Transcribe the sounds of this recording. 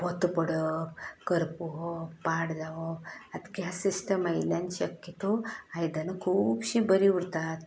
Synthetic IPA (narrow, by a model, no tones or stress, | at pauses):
bɔt̪pəɽəkəɾpuɦopaɽd͡zaʋəad̪kjasisʈəmajljãnɕəkjət̪oajd̪anakʰuːbɕiːbəɾiuɽt̪at̪